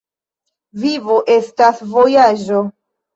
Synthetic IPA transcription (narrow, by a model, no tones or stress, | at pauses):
vivoʔe̞stasvo̞jad͡ʒo̞